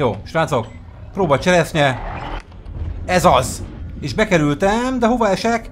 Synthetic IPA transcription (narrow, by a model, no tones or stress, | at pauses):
jo̰ːʃraːt̪sok | proːbɒt͡ʃɛɾɛsnɛ | ɛzɒzeːʒbɛkɛɾylt̪ɛmd̪ɛɦo̞vɒɛʃɛk